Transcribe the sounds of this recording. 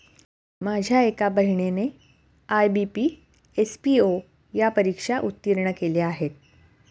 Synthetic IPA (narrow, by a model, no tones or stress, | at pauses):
mad͡ʑʱjaekabəɦiɳene | ajbipi | espio | japəɾikʂaʔut̪ːiɾɳəkeleaɦet̪̚